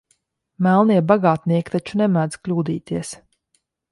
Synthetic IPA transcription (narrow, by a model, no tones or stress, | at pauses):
mælˠniɛbaɡaːt̪niɛkʲt̪at͡ʃunɛmæːd̪z̥klʲuːd̪ḭːt̪iɛs